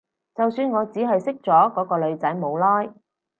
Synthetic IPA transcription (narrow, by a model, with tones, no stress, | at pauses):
t͡sɐ˨wsyː˧nŋɔː˨˧t͡siː˨˥ɦɐ˨jsɪ˥k̚t͡sɔː˨˥kɔː˨˥kɔː˧lɵ˨˧ɥt͡sɐ˨˥jmo˨˧wlɔː˥j